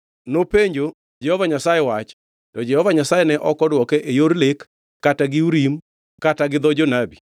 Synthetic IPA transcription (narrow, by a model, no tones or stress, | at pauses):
nopeɲd͡ʒo | d͡ʒɛhovaɲasajewat͡ʃ | tɔd͡ʒɛhɔvaɲasajenɛʔɔkɔdwɔkɛʔejoɾlekː | ataɡɪuɾim | kataɡɪd̪ɔd͡ʒonabi